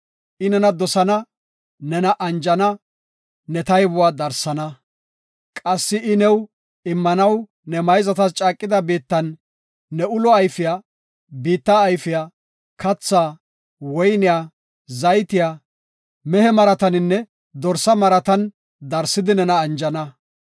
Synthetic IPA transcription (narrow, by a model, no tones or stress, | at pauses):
ʔɪnɛnɐd̪ɔsɐnɐ | nɛnɐʔɐnd͡ʒɐnɐ | nɛt̪ɐjbʊwaːd̪ɐɾsɐnɐ | kʼɐsːɪɪnɛw | ɪmːɐnɐw | nɛmɐjzɐt̪ɐst͡ʃʼaːkʼːɪd̪ɐbiːt̪ːɐnː | ɛʊlɔɐjfɪja | biːt̪ːaːjfɪja | kɐt͡sːaː | wɔjnɪjaː | zɐjt̪ɪjaː | mɛhɛmɐɾɐt̪ɐnɪnːɛ | d̪ɔɾsɐmɐɾɐt̪ɐn | d̪ɐɾsːɪd̪ɪnɛnɐːnd͡ʒɐnɐ